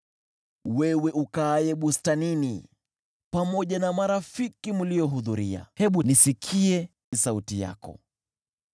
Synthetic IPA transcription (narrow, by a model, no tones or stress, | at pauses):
wɛwɛʔukaːjɛɓustaninḭ | pamɔʄanamaɾafikimulijɔɦuðuɾia̰hɛɓunisikʰiɛ | isautija̰kɔ̰